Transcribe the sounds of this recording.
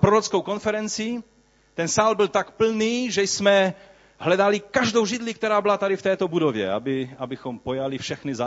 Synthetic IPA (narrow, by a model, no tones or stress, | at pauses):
pɾoɾot͡skowko̞nfɛɾɛnt͡si | t̪ɛnsaːlbɪlt̪akpl̩niːʒɛjsmɛ | ɦlɛdalɪkaʒdowʒɪd̪lik̚t̪ɛɾaːbɪlat̪adɪft̪ɛːt̪obudovjɛ̰abɪabɪxompojalɪfʃɛxnɪza